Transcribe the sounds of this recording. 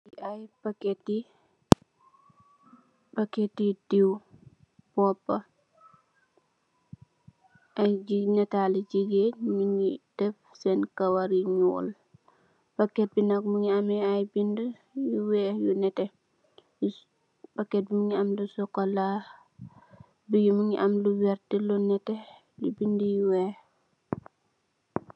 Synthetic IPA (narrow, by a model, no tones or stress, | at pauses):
iajpaketi | baketidiw | b̥ɔpːa | ʔajd͡ʒinɛtalɛd͡ʒiɡemiŋid̥ɛfsɛnkawaɾiɲɔl | b̥akːɛt̚binakmuŋiamɛajbində | juwɛjunɛtɛ | b̥akːɛt̚bimuŋiamlusɔkɔla | biɡumuŋiʔamluwɛɾtilunɛtɛ | lubindəjuwɛh